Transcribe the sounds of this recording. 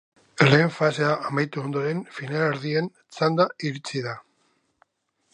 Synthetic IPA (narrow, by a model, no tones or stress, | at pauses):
leːɱfase̞aʔamajt̪uo̞nd̪o̞ɾe̞nfinaleɾðien | t͡sand̪aiɾit͡siða